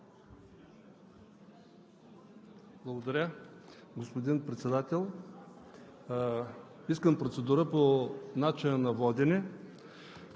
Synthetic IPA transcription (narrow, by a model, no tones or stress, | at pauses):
blˠɐɡod̪ɐɾʲəɡospod̪inpɾɛt̪sɛd̪at̪ɛlˠ | iskəmpɾot̪sɛd̪uɾəponat͡ʃinənɐvɔd̪ʲɛnɛ